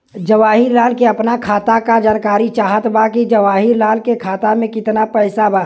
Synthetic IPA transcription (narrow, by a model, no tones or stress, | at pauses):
d͡ʒəʋaːɦiɾlaːlkeɐpnakʰaːt̪akad͡ʒaːnkaːɾit͡ʃaːɦət̪bakid͡ʒəʋaːɦɪɾlaːlkekʰaːt̪amẽkɪt̪napɛɪsabaː